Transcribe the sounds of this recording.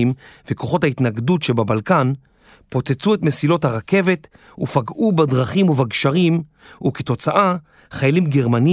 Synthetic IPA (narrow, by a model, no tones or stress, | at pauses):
imveko̞χo̞thaitnaɡdutʃebabalkan | po̞t͡set͡suetme̞silo̞thaʁake̞ve̞t | ufaɡubadʁaχimuvaɡʃaʁim | uketo̞t͡saʔa | χajalimɡeʁmani